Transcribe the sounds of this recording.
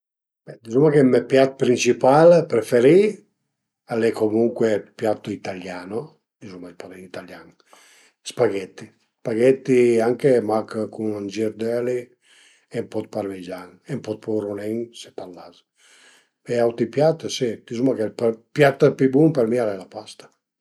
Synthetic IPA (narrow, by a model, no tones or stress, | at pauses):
b̥ɛd̪izumakemepjat̪̚pɾint͡ʃipalpɾefeɾi | alɛkomuŋkwepjat̪ːoit̪aljano | d̪izumaipad̪ɛnit̪aljaŋ | spaɡɛt̪ːi | spaɡɛt̪ːiaŋkemakkunand͡ʒiɾd̪ɛli | empɔt̪̚paɾved͡ʒaŋempɔt̪̚pɔɾunɛŋset̪alːaz | eawt̪ipjat̪ːsit̪izumakeppjat̪ːpibuŋpɛɾmialɛlapast̪ḁ